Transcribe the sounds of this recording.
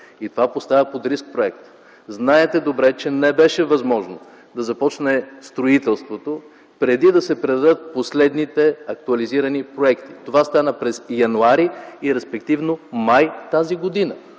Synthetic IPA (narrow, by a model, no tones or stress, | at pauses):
it̪ovapost̪avəpod̪ɾisk̚pɾoɛk̚t̪ | znaɛt̪ɛd̪obɾɛt͡ʃɛnɛbɛʃɛvɐzmɔʒno̰ | d̪ɐzɐpɔt͡ʃnɛst̪ɾoit̪ɛlˠst̪vot̪o | pɾɛd̪id̪ɐsɛpɾɛd̪ɐd̪ət̪̚poslɛd̪nit̪ɛɐk̚t̪uɐliziɾɐnipɾoɛkt̪i̥t̪ovast̪anəpɾɛsjɐnuaɾiiɾɛspɛkt̪ivnomajt̪aziɡod̪inə